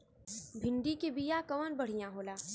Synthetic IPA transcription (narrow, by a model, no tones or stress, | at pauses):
bʱɪ̃ɳɖikebijakɐʋənbɐɽ̤ijãɦoːlaː